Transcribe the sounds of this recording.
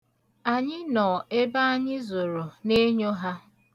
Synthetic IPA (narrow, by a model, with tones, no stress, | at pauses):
a˨ɲɪ˦nɔː˨e˦ba˦a˦ɲɪ˦zo˨ɾo˨ne˦ɲo˦ɦa˦